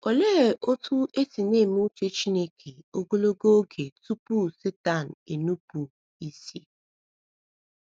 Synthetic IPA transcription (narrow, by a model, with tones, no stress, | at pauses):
o˨le˦˨ʔo˦tʰu˦e˦ti˨neː˦˨m˦u˦t͡ʃe˦t͡ʃi˦ne˦kʰe˨o˦ɡo˦lo˦ɡo˦ɡe˨tu˦pu˦se˦ta˦˨n̩˨e˨nu˦pu˨ | i˦se˨